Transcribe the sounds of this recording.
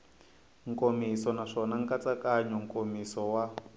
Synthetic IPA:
ŋkomisɔnaʂɔnaŋkat͡sakaɲɔŋ̩kʼomisɔwa

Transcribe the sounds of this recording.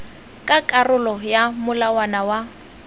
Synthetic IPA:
kʼakʼarʊlɔjamʊlawanawa

